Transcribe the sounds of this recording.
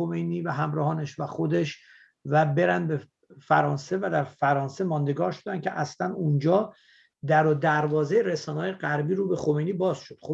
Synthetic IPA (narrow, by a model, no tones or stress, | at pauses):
omejniːvæɦæmɾɒːhɒːneʃvæxo̞d̪e̞ʃ | væbe̞ɾænd̪̚be | fæɾɒːnse̞væd̪æɾfæɾɒːnsemɒːnd̪e̞ɡɒːɾʃod̪æncʲʰḛʔæslænund͡ʒɒː | d̪æɾod̪æɾvɒːzeɾesɒːnɒːjeɢæɾbiːɾuːbe̞xo̞mejnibɒːz̥ʃod̪̥xo